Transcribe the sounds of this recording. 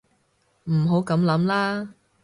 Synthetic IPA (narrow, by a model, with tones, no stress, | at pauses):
m̩˨˩ɦo˨˥wkɐ˨˥mlɐ˨˥mlaː˥